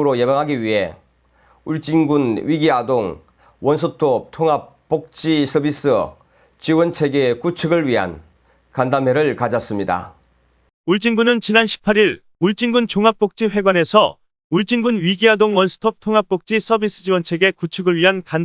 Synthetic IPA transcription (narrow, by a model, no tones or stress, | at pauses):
ɾojebaŋɦaɡiɥiɦe | uɭt͡ɕ͈iŋɡunɥiɡiadoŋ | wʌnsʰɯtʰop̚tʰoŋɦap | p͈ːok̚t͡ɕ͈isʰʌbis͈ɯ | t͡ɕiwʌnt͡ɕʰeɡekut͡ɕʰɯɡɯɭɥiɦa̰n | kandameɾɯɭkad͡ʑʌs͈ɯmɲida̰ | uɭt͡ɕ͈iŋɡunɯnt͡ɕinanɕʰi̥pʰaɾiɾ | uɭt͡ɕ͈iŋɡunt͡ɕoŋɦap̚p͈ok̚t͡ɕ͈iɸwe̞ɡwane̞sʰʌ̰ | uɭt͡ɕ͈iŋɡunɥiɡiɦadoŋwʌnsʰɯ̥tʰop̚tʰoŋɦap̚p͈ok̚t͡ɕ͈is͈ʰʌbis͈ɯ̥d͡ʑiwʌnt͡ɕʰe̞ɡe̞kut͡ɕʰɯɡɯɭɥiɦankan